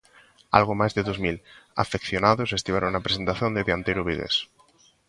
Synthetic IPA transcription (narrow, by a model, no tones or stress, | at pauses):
a̰lɣ̞omajzðeðozmila̰fekθjonaðosest̪iβaɾoŋnapɾese̞nt̪aθjond̪eðeant̪eɾoβiðḛs